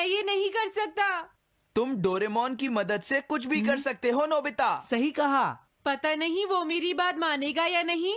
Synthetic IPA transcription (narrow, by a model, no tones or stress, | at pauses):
ɛjenɐɦĩkɐɾsɐk̚t̪aː | t̪ʊmɖoːɾemɔːnkimɐd̪əd̪sekʊt͡ʃʰbʱikɐɾsɐk̚t̪eɦonoːbɪt̪asɐɦikɐɦa̰ | pɐt̪anɐɦĩʋomeːɾibaːt̪maːneːɡajanɐɦĩ